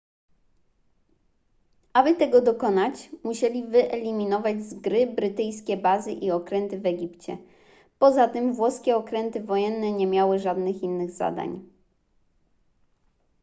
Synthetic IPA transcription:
ʔabɘt̪ɛɡɔd̪ɔkɔnat͡ɕmuɕɛlʲivɘʔɛlʲimʲinɔvad͡ʑzɡɾɘbɾɘt̪ɘjskʲɛbazɘʔiɔkɾɛnt̪ɘvɛɡʲipt͡ɕɛ̰ | pɔzat̪ɘmvwɔskʲɛɔkɾɛnt̪ɘvɔjɛnːɛɲɛmʲjawɘʐad̪nɘxinːɘɣza̰d̪a̰ɲ

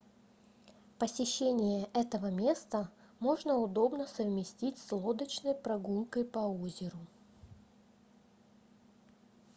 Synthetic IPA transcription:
pəsʲɪɕːenʲɪjəʔɛt̪əvəmʲe̞st̪ə | mo̞ʐnəʊd̪o̞bnəsəvmʲɪsʲtʲitʲslˠo̞d̪ət͡ɕnəjpɾɐɡulˠkəjpɐozʲɪɾʊ

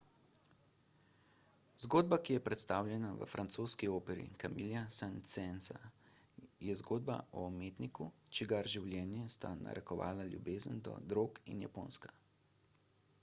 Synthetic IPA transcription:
zɡoːd̪̚bakijɛpɾɛt̪st̪aːwlʲjɛnaʋə̰fɾʔant̪soːskioːpɛɾḭkamiljasant̪sɛnsa̰ | jɛzɡoːd̪ba̰ɔːmeːt̪niku | t͡ʃiɡaɾʒiwljɛːnjɛst̪a̰na̰ɾʔɛkɔʋa̰ːlaljṵbeːzənd̪ɔ̰d̪ɾoːkinja̰poːnskḁ

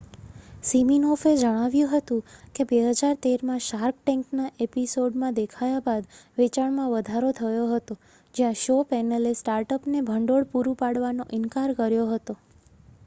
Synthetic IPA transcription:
siminɔfed͡ʒəɽ̃aʋjũɦət̪ũkebeɦəd͡ʒaɾt̪eɾmãʃaɾk̚ʈɛ̃ŋknaʔepisoɖmãd̪ekʰajabad̪ʋet͡ʃaɳmãʋəd̪ʱaɾot̪ʰəjoɦət̪o | d͡ʒjãʃopɛnəlesʈaɾʈəpnebʱəɳɖoɽpuɾũpaɽʋanoʔɪnkaɾkəɾjoɦət̪o

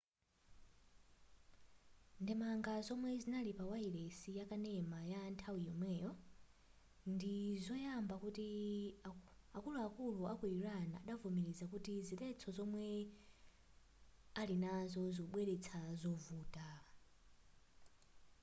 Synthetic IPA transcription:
ndɛmaŋɡazɔmwɛzinalipawailesijakanɛmajantʰawijɔmwɛːjɔ | ndizɔjambakuti | akuluakuluakujiɾanaːɗavumiɾizakutizipɛt͡sʰɔzɔmwɛ | alinazɔzɔɓwɛɾɛt͡sʰazɔvuːta

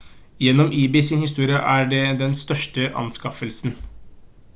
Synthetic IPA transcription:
jɛnːɔmʔiːbɪːsɪnhɪst̪uːɾɪəʔæɖɛd̪ɛnst̪œʂʈəʔɑ̰nskɑfəlsn

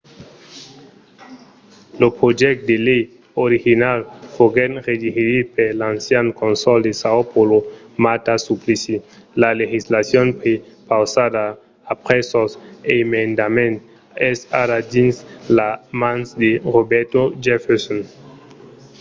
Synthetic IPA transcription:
lopʁod͡ʒɛk̚t̚delej | oɾiɣinalfoɡɛnʁed͡ʒiheɾipeɾlansjankonsɔldesaopolo | matasuplisi | laleɣislasjɔnpɾepawsadaː | pʁɛsɔsemendamẽnt | ɛsaɾadinslamansdeʁobɛɾtod͡ʒɛfeɾson

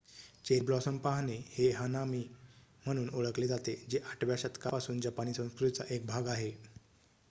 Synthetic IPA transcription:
t͡ɕeɾbɾɔsəmpaɦneheɦənamiːm̤əɽ̃uːnoɭəkled͡zat̪ed͡ʑeʔaʈʰʋjaɕat̪kapasuːnd͡ʑapañiːsə̃w̃skɾut̪it͡sa̰ʔek̚bʱaɡaɦe

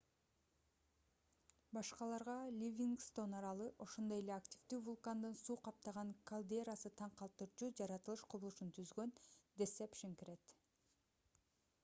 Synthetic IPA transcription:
bɑʃqɑlˠɑɾʁɑlʲivʲiŋɡst̪o̞nɑɾɑlˠɯʔo̞ʃo̞nd̪o̞jelʲeaktʲi̥vd̪yːvulˠkand̪ɯnsuːqɑp̚t̪ɑʁɑŋkalˠd̪eɾasɯt̪ʰɑɴqɑlˠt̪ɯɾt͡ʃud͡ʒɑɾɑt̪ɯlˠɯʃqʰuβlˠuʃunt̪ʰyzɡø̞nd̪esepʃiŋkiɾe̞t̪

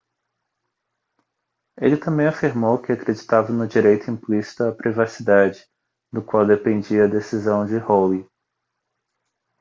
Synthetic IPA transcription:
elɪt̪ɐ̃mbẽj̃afiɾmowkɪakɾed͡ʒit̪avɐnʊd͡ʒiɾejt̪ʊĩplisi̥t̪ʊɐpɾivasid̪ad͡ʒɪ̥ | d̪ʊkwawd̪epẽnd͡ʒiɐːd̪esizɐ̃w̃d͡ʒɪhowi

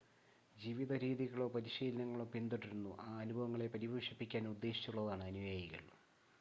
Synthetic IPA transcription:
d͡ʑiːʋiðʱɐɾiːðiɣɐɭo̞ːpɐɾiɕiːlɐnɐŋːɐɭopind̪iʈːiɾunːuʔaːɐnubʱɐʋɐŋːɐɭe̞pɐɾibɐːʂɐpːikʲːaːnud̪ːe̞ːɕit͡ɕːuɭːɐðaːɳɨɐnujaːjiɣɐ̰ɭ

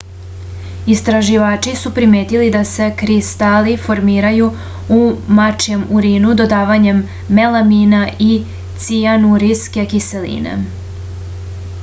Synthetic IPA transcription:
ist̪ɾaʒiʋaːt͡ʃisupɾimeːt̪ilid̪ase̞kɾist̪alifo̞ɾmiːɾaju | umat͡ʃjemuɾiːnud̪o̞d̪aːʋaɲe̞mː | elaminai | t̪sianuɾiske̞kise̞lḭːnḛ

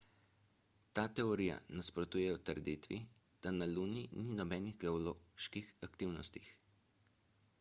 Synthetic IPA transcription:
t̪aːt̪ɛɔɾija̰naspɾɔt̪uːjɛwt̪əɾd̪iːt̪ʋi | d̪̥analuːnininɔbɛːniɣɡɛɔloːʃkixakt̪iwnɔst̪ix

